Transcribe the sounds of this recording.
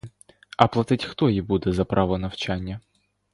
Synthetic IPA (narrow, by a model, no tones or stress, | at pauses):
ɐplˠɐt̪ɨtʲxt̪oibud̪ɛzɐpɾʔavənɐft͡ɕanʲjə